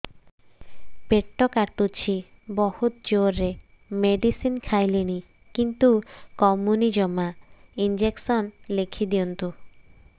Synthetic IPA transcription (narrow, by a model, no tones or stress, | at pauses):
peʈːɔkaɾt̪ut͡ɕʰi | bɔhut̪̚d͡ʑoɾːe | meɖisinkʰajleni | kint̪ukɔmunid͡ʑɔmaind͡ʑeksɔnlekʰid̪iɔnt̪u